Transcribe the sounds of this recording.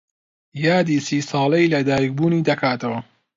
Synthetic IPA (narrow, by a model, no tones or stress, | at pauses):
jɑːd̪isiːsɑːlɐiːlɐd̪aːjik̚buːniːd̪ɐkʰaːt̪ɐwɐ